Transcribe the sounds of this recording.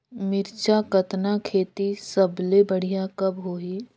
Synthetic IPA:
mɪɾt͡ʃakɐt̪nakʰeːt̪isəblebəɽ̤ijakɐbɦoːiː

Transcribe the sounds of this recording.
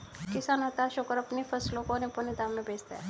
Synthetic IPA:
kɪsaːnɦɐt̪aʃʊkəɾɐpnifʰɐslõkonepənid̪aːmːẽbʱeːd͡ʒt̪a̰ɦɛ

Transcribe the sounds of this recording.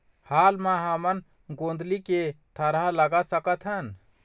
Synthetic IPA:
haːlmãɦəmən | ɡõnd̪ʱliket̪ʰəɾaləɡasəkət̪ʰɦən

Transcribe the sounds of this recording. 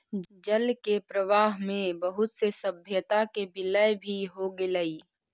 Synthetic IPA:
d͡ʒəlkepɾəʋaːɦmẽbəɦʊt̪sesəbʱjət̪akebɪləjbʱiɦoɡɪləiː

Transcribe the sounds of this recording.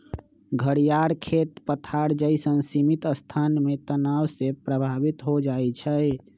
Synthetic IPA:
ɡʱəɽijaɾkʰet̪pət̪ʰaɾd͡ʒəisənsimit̪əst̪ʰanmet̪ənawsepɾəbʱabit̪ɦod͡ʒajt͡ʃʰə

